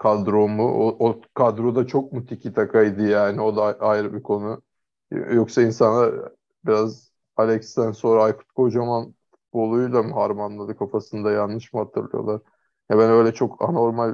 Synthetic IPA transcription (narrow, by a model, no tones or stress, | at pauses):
kʰad̪ɾo̞muʔoʔokʰad̪ɾo̞d̪at͡ʃʰo̞k̚mut̪ʰicʰit̪ʰakʰajd̪ɯjaːnio̞d̪aajɾɯbikʰo̞nu | jo̞ksainsanlˠaɾ | biɾaz | alʲɛkst̪ænso̞ɾaajfu̥t̪̚kʰod͡ʒamanfu̥t̪̚bo̞lˠujud̪ˠamhaɾmanlˠad̪ɯkʰafasɯnd̪ajanːɯʃmɯhat̪ʰɯɾlˠɯ̰jo̞̰lˠaɾ̥ | jabænø̞jlʲɛt͡ʃʰo̞kʰa̰no̞ɾmalʲ